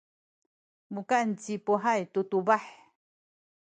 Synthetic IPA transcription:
mukant͡sipoɦajt̪ut̪ubaħ

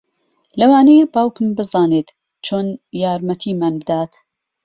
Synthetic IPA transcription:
lɐwaːnejbaːwkɨmbɨzɑːneːt̪ | t͡ʃʰoːnjaːɾmɐt̪ʰiːmaːnbɨd̪aːt̪

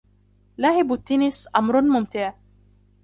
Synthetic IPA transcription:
laːʕɪbat̪ːɪnɪsʔamɾˤmʊmt̪ɪʕ

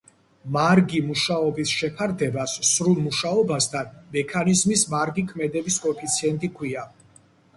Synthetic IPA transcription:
maɾɡimuʃaɔbisʃɛpʰaɾd̪ɛbassɾulˠmuʃaɔbast̪ʰanmɛkʰanizmismaɾɡikʰmɛd̪ɛbiskʼɔpʰit̪sʰiɛnt̪ʼikʰwia

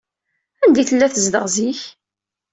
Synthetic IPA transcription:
ænd̪iθəlːæθəzd̪əʁziç

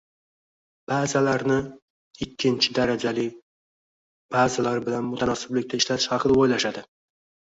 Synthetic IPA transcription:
b̥aːzalaɾnɪ | ɪkʲʰːɪnt͡ʃʰɪd̪aɾad͡ʒalɪ | b̥azalaɾbɪlanmʊt̪ʰanɒsɪblɪk̚ʲt̪aɪʃlat̪ʰɪʃhɑqʰɨd̪aojlaʃad̪ɪ

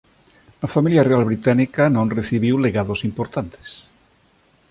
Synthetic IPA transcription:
afamiljarealβɾit̪anikanõnreθiβ̞iwleɣaðosimpoɾt̪ant̪e̥s

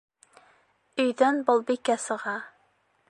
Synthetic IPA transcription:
øjd̪ɛnbolˠbɪkʲːɛsəʁɑ

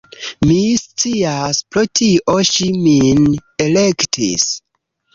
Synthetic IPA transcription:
mist͡siaspɾotʰiʔoʃiminelektʰḭs

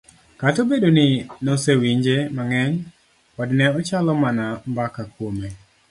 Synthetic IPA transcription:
katobedonɪnosewiɲd͡ʒemaŋɛɲ | ɔdnɛɔt͡ʃalɔmanambakakwome

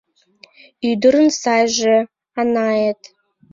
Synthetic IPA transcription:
yd̪ə̆ɾənsɑjʒĕ | ɑnɑjet̪

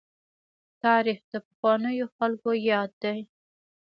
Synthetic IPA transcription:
t̪ɑɾixd̪əpaxwɑnəjoxalkojɑd̪ːaj

